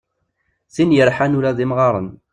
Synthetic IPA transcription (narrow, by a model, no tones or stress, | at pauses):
θinjəɾħanuɾaðimʁɑɾˤə̰n